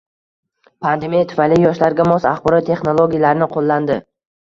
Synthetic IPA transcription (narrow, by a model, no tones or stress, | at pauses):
pʰand̪e̞mijat̪ʰʊ̥falɪjɒʃlaɾɡʲamɒsa̰χbɒɾɒt̪ːʰe̞χnolˠoɡʲijalaɾɪnɪqʰolˠːand̪ɪ